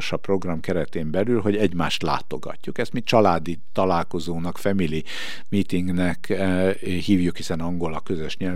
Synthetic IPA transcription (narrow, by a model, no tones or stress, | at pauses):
ʃɒpro̞ɡrɒmkɛɾɛt̪eːmbɛlylɦo̞ɟɛɟmaːʃt̪la̰ːt̪o̞ɡɒ̰cːukɛst̪mint͡ʃɒlaːd̪it̪ɒlaːlko̞zoːnɒkfɛmili | miːt̪iŋɡnɛk | hiːvjukhisɛnɒŋɡo̞lɒkø̞zøʃɲɛl